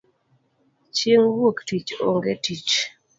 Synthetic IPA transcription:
t͡ʃeŋwoktit͡ʃo̰ŋɡetit͡ʃ

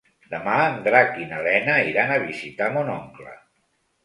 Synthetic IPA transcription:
d̪əmaənd̪ɾakinəlɛnəiɾanəβ̞izit̪amonɔŋklə̰

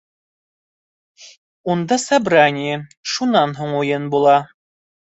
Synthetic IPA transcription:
und̪ɑsæbɾanʲɪjəʃunɑnɦuɴujɤnbulˠɑ

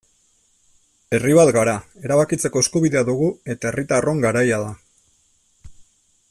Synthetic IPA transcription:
e̞riβ̞at̪ɡaɾae̞ɾaβakit͡se̞ko̞e̞skuβiðe̞aðuɣue̞t̪ae̞rit̪aro̞ŋɡaɾajaða

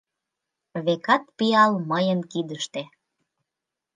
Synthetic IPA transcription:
βekɑt̪̚piɑlməjənkid̪əʃt̪e

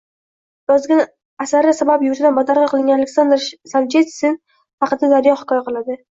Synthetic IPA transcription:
jɒzɡʲan | asaɾɪsabapjʊɾt̪ʰɪd̪anbɒd̪aɾʁɨqʰɨlˠɪŋɡʲanalekʲsand̪ɾsavd͡ʒet̪sɪn | hɑqɨd̪ad̪aɾjɒhɪ̥kʰɒjaqɨlˠad̪ɪ

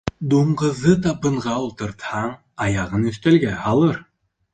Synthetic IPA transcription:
d̪uɴɢɤ̆ðɤt̪ɑpɤ̆ɴʁɑulˠt̪ɤ̆ɾt̪hɑɴ | ɑjɑʁɤnɵ̆θt̪ælɡæhɑlˠɤɾ

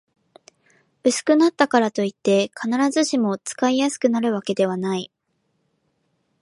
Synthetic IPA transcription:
ɯ̟sɨ̥kɯ̟nat̪ːakaɾat̪o̞it̪ːe̞kʰanaɾazɨɕimo̞t͡sɨ̥kaijasɨ̥kɯ̟naɾɯ̟β̞ake̞d̪e̞β̞anai

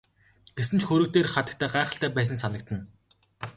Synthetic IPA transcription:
ɡ̥esɘ̆nt͡ɕxɵɾɵ̆t̪eːrχat̪ə̥̆kt̪ʰæːɢaːχə̆ɬt̪æːpæːs̬ə̆nsanə̆k̚t̪ə̆n

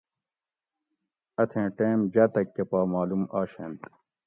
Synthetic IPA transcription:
ɐt̪ʰẽːʈeːmd͡ʑɐːt̪ɐkːɐpaːmaːlumaːɕḛnt̪

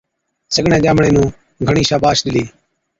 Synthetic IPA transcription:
səɡɳẽːd͡ʒaːmɳẽːnũː | ɡʱəɳiːʃaːbaːʃɗɪliː

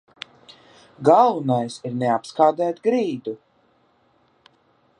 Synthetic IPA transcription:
ɡalˠunajsiɾnɛapskaːd̪æːt̪ɡɾiːd̪u

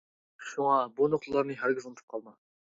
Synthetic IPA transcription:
ʃuŋɑbonoχlˠɑɾnɨɦæɾɡʲɪzont̪ʰɨ̥p̚qʰɑlˠmɑ

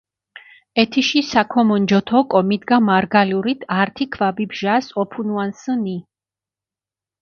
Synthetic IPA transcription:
ɛt̪ʰiʃisakʰɔmɔnd͡ʒɔt̪ʰɔkʼɔmid̪ɡamaɾɡaluɾit̪ʰaɾt̪ʰikʰvabibʒasɔpʰunuansəni

